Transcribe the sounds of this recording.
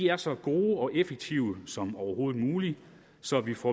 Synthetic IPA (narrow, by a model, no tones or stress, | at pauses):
iæɐsɒ̽ɡ̥o̝ːɒ̽ʔefeɡ̥̚t͡sʰiʊəsɒ̽mɒʊɐho̝ːð̩ˠmuːli | sɒ̽ʋifɒ